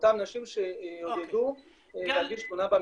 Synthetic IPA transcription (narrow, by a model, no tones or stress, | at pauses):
t̪amnaʃimʃeod̪edu | eleaɡiʃbunabam